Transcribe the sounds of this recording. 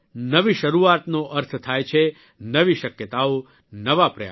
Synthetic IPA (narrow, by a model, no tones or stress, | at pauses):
nəʋiʃəɾuat̪noʔəɾt̪ʰt̪ʰajt͡ʃʰe | nəʋiʃəkjət̪ao | nəʋapɾəja̰